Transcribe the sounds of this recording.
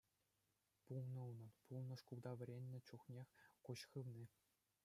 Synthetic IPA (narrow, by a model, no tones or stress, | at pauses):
pulˠnɤ̆unɤ̆npulˠnɤ̆ʂkuld̪ɑʋʲɘ̆ɾʲenʲːɘ̆t͡ɕuχnʲexʲkuɕχɯʋnʲi